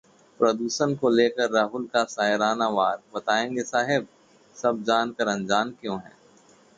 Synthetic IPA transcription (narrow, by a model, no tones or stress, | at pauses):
pɾɐd̪uːsənkoleːkəɾːaːɦʊlkasaːɪɾaːnaʋaːɾbɐt̪aːẽːŋɡesaːɦɪb̚ | sɐb̚d͡ʒaːnkəɾə̃nd͡ʒaːnkjõːɦɛ̰̃ː